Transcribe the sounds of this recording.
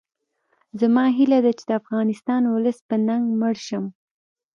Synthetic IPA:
zamɑɦilad̪at͡ʃe̥d̪əafɣɑnɪst̪ɑnwʊləspənaŋɡməɽʃəm

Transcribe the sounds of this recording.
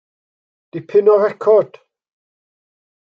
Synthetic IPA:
d̥ipʰɪnɔrɛkʰɔd̥

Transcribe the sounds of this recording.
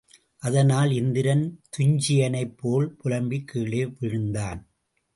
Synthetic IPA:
ʔɐðɐnaːlɪnd̪ɪɾɐnt̪ʊɲd͡ʒɪjɐnɐɪpːoːlpʊlɐmbikːiːɭeːʋɪɻɯnd̪aːn

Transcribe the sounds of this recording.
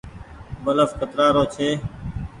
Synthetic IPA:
bələfkət̪ɾaːɾoːt͡ʃʰeː

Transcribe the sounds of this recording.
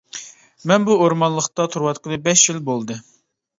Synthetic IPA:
mɛnbuoɾmɑnlˠəχt̪ɑt̪ʰuɾwɑt̪qəlɨbɛʃjilbolˠd̪ɨ

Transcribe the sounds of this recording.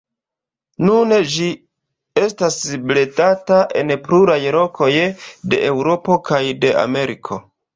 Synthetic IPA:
nuned͡ʒi | e̞stasble̞tataʔe̞̰npluɾajlo̞kʰo̞jde̞̰ʔewɾo̞po̞kajde̞a̰me̞ɾikʰo̞

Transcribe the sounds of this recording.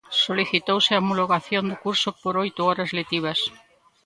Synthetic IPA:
soliθit̪owsɪamuloɣaθjond̪ʊkuɾsʊpoɾojt̪ʊɔɾɐzlet̪iβ̞ɐs

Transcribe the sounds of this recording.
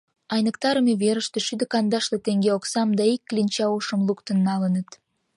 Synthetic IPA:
ɑjnəkt̪ɑɾəmeβeɾəʃt̪eʃyd̪ə̆kɑnd̪ɑʃlet̪eŋɡeoksɑmd̪ɑikːlinʲt͡ɕɑuʃəmlukt̪ənːɑlənət̪

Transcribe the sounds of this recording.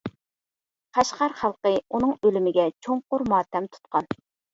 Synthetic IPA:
qʰɑʃqɑɾχɑlˠqəunɨŋølymɪɡʲɛt͡ʃʰoŋqʊɾmɑːt̪ɛmt̪ʰu̥t̪̚qɑn

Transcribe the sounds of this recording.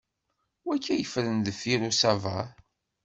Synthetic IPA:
wækʰːæjəfɾənðəfiɾusava

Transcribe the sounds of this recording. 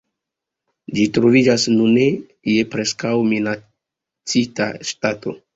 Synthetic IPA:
d͡ʒitɾo̞vid͡ʒasnune̞ | je̞pɾe̞skawmina | t͡sita̰ʃtato̞̰

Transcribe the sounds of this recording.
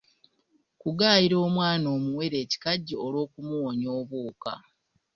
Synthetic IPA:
kuɡaːjiɾo̞ːmwaːno̞ːmuwe̞ɾe̞ːci̥kaɟːiolwo̞ːkumuwoɲo̞ːβuːka̰

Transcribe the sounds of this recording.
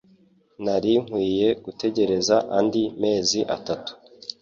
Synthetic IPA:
naɾiŋ̥hwiːje̞ɡ̥ute̞ɟe̞ɾe̞zaʔandime̞ːziʔa̰tatu̥

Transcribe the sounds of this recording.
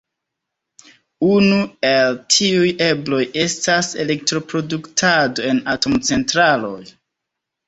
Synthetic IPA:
unue̞ltʰiuje̞blo̞je̞stase̞le̞k̚tɾo̞pɾo̞duktʰado̞e̞nato̞mt͡se̞ntɾalo̞j

